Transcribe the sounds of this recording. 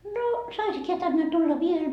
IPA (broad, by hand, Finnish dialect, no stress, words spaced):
noː sɑisik heæ tænːe tulːɑ ʋiel